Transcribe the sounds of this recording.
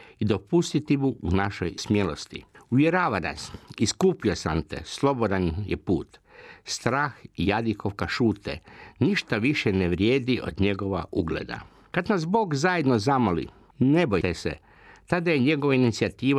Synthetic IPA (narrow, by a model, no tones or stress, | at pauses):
id̪o̞pust̪it̪ibuunaʃojsmjelo̞st̪ḭuʋjeɾaːʋana̰siskuːpio̞samt̪ḛslˠo̞bo̞d̪anjḛpuːt̪st̪ɾaːxijad̪ikoʋkaʃuːt̪ḛniʃt̪aʋiʃɛneʋɾjeːd̪iʔo̞̰d̪ɲe̞ɡo̞ʋauɡlḛd̪a̰ | kad̪nasbo̞ːɡzaje̞d̪nozamolḭ | ne̞boj̪esḛ | t̪ad̪ajeɲe̞ɡoʋainit̪siat̪iːʋa